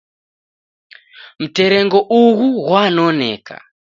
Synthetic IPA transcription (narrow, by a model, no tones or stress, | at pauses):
m̩teɾɛŋɡoʔuɣuɣwanonḛka̰